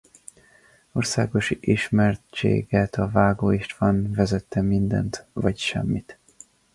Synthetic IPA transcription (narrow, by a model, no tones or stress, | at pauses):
o̞rsa̰ːɡo̞ʃʔiʃmɛrt͡ʃḛːɡɛt̪ɒvaːɡoːiʃt̪ʋɒnvɛzɛt̪ːɛmind̪ɛ̰nt̪vɒcʃɛ̰mːit̪